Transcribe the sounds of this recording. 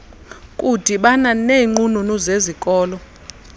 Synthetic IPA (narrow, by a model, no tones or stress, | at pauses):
kʼud̥ʱiɓananeŋ͡ǃununuzezikʼɔːlɔ